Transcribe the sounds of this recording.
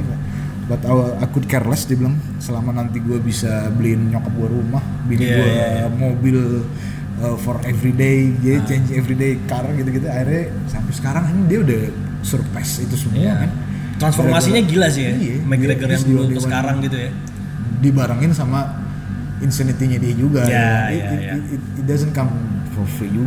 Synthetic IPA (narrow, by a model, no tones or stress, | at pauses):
bat̪aakut̪̚kɛrlɛsdiəbilaŋ | səlamanant̪iɡuabisabəlinəɲokap̚ɡuaɾumah | biliɡuamobɪl | əfɔrevɾidejd͡ʒadit͡ʃeɲd͡ʒevɾidejkaɾaŋɡit̪uɡit̪aaɪrɲa | sampɛsə̥kaɾaŋinidiaudah | sərpɛsit̪usəmuakan | t̪ɾansfɔrmasiɲaɡilas̬iaijamɛɡnəɡəɾaŋbildisakaɾaŋɡit̪uja | dibaɾaŋɪnsama | insənit̪iɲadiad͡ʒuɡaait̪̚ɪdazənkamhɔfid͡ʒuɡ